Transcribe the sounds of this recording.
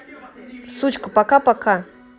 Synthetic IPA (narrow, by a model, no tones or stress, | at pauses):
sut͡ɕkəpakapaka